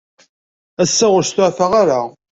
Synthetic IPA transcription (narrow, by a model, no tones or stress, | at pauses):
æsːæʁʊɾst̪ʊʕfaʁaɾa